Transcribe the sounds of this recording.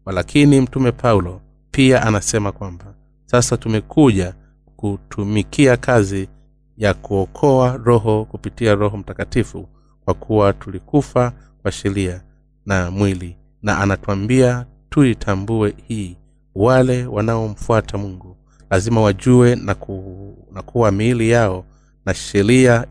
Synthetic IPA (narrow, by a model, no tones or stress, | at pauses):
walakʰinim̩tumɛpʰaulɔ | piaʔanasɛmakwamba | sasatumɛkʰuʄa | kutʰumikʰiakʰazi | jakuɔkʰɔaɾɔɦɔkupitiaɾɔɦɔm̩takatifṵ | kwakʰuwatulikufa | kwaʃɛɾia | namwili | naʔanatuambia | tuitʰambuɛhiː | walɛwanaɔm̩fuatʰamuŋɡu | lazimawaʄuwɛa | nakʰuwamiːlijaɔ | naʃɛɾia